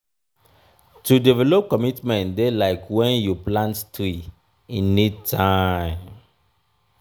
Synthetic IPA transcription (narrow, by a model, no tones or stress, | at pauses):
tudivɛlɔp̚kɔmitmɛ̃ntdelaɪkwɛ̃njuplãnttɾi | inːitʰaɪ̃m